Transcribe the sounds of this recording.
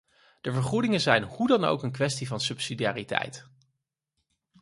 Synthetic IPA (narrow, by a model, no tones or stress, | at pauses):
d̥əvəɹχudɪŋənzɛjnhudɑno̰wkənk̬ʋɛstivɑnsɵpsidijaːritɛ̰jt